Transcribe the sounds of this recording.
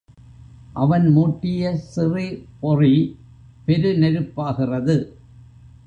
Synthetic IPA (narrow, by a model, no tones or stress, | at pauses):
ʔɐʋɐnmuːʈːɪjɐsɪripɔri | pɛɾɯnɛɾɯpːaːɣɪrɐðɯ